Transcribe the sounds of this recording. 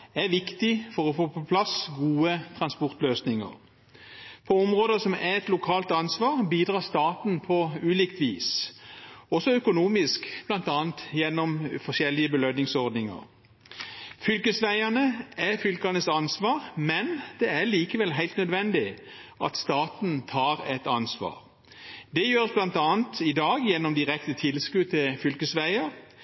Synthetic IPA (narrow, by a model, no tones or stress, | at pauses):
æʁʋɪkt̪ɪfɔʁɔfoːpʰɔpʰlɑsɡuːət̪ʰʁɑnspɔʁt̪løːsnɪŋə̰ʁ | pʰɔɔmʁoːd̪əsɔmæɛt̪lʊkʰɑːlt̪ɑnsʋɑːʁbiːd̪ʁɑːʁst̪ɑːt̪n̩pʰɔʉːliːkt̪ʋiːs | ɔsɔœkʊnuːmɪskb̥lɑnt̪ɑːnt̪jɛnːɔmfɔʃɛlɪəbəlœd̪nɪŋsɔʁd̪nɪŋə̰ʁ | fʏlkəsʋæɪənəæfʏlkɑnəsɑnsʋɑːʁmɛnd̪̥ɛæʁliːkəʋɛlɦæɪlt̪nœd̪ʋɛnd̪ɪʔɑt̪st̪ɑːt̪n̩t̪ʰɑːʁɛt̪ɑnsʋɑ̰ːʁ | d̪ɛjøːɾəsblɑnt̪ɑːnt̪ɪd̪ɑːɡjɛnːɔmd̪ɪʁɛkt̪ət̪ʰɪlskʉːt̪ʰɪlfʏlkəsʋæɪəʁ